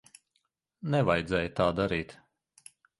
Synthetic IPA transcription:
nɛvajd̪zɛːjt̪aːd̪aɾiːt̪

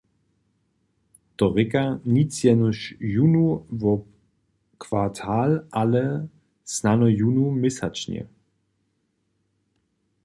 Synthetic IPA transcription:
t̪ɔʁɪkanit͡sjɛnuʃjunuvɔ | kʰv̥atʰaːlʔalɛ | snanɔjunumɪsat͡ʃnɛ̰

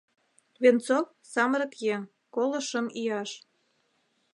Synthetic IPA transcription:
βent͡sok | sɑməɾɤ̆kje | kolə̆ʃə̆mijɑʃ

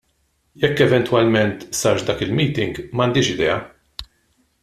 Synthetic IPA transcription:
jɛkːɛvɛnt̪wɐlmɛnt̪sɐːɾʃd̪ɐːkɪlmiːt̪ɪŋɡmɐnd̪iːʃɪd̪ɛ̰ːɐ

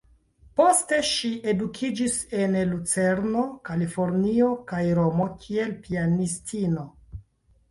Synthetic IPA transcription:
po̞ste̞ʃiʔe̞dukʰid͡ʒise̞nlut͡se̞ɾno̞kalifo̞ɾnio̞kajɾo̞mo̞kʰie̞lpianistʰino̞

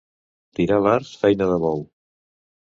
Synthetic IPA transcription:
t̪iɾaβaɾsfɛjnəðəβɔw

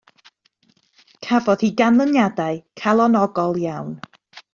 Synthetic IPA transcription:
kʰavɔð̥hiːɡanlˠənjadaɨkʰalˠɔnɔɡɔlˠjawn

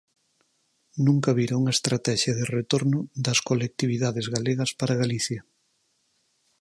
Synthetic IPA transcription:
nũŋkɐβiɾauŋɐest̪ɾat̪ɛʃjɐðɪret̪oɾnʊd̪ɐskolek̚t̪iβiðaðezɣaleɣɐspaɾɐɣaliθjɐ

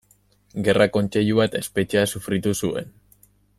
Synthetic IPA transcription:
ɡe̞rako̞nt͡ʃe̞ʎuβat̪e̞spe̞t͡ʃeasufɾit̪usue̞̰n

